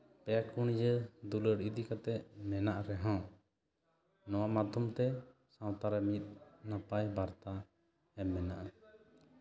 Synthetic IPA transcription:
pɛakuɳ̃id͡ʒəd̪uləɽid̪ikat̪ɛʔmɛnaʔɾɛɦɔ̃ | nɔwamad̪ʱumt̪ɛ | sãw̃t̪aɾɛmit̪̚ˀnapajbaɾt̪a | ɛmːɛnaʔa

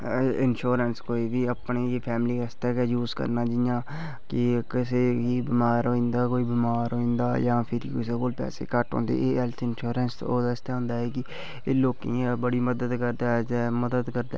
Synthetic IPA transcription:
ʔɪnʃoːɾənskoːiːbiːəpneːjeːpʰɛːmɪliːəst̪ɛːkɛːjuːzkə̰ɾnaːd͡ʒɪjãː | kɪkɪseːɦiːbɪmaːɾɦoːĩnd̪aːkoːiːbɪmaːɾɦoːĩːnd̪aːjãːpʰɪɾiːkʊsekoːlpɛ̰ːsḛːkəʈɦo̰ːnd̪ḛːʔeːɦɛlt̪ʰɪnʃoːɾənsoːd̪ast̪aːɦõːnd̪aːɦɛːkɪ | eːloːkḭ̃ːbəɽiːməd̪əd̪kəɾd̪aːɛd͡ʒməd̪əd̪kəɾd̪a̰ː

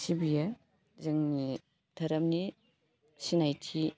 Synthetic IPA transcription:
sibija | zɯŋni | d̥ʰɐɾɐmni | sinajtʰi

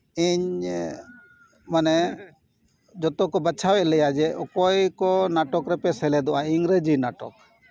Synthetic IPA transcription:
iɲ | manɛ | d͡ʒɔt̪ɔkɔbət͡ʃʰawɛʔlɛjad͡ʒɛʔɔkɔjkɔnaʈɔkɾɛpɛsɛlɛd̪ɔʔaiŋɾed͡ʒinaʈɔ̰k

